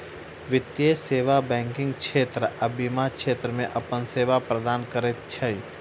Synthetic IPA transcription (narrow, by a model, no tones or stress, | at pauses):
ʋɪt̪jeseːʋabɛ̃ːŋkɪ̃ŋɡkʃʰeːt̪ɾəʔɐbimakʃeːt̪ɾəmẽʔɐpənseːʋapɾəd̪aːnkəɾet̪̚t͡ʃʰɐi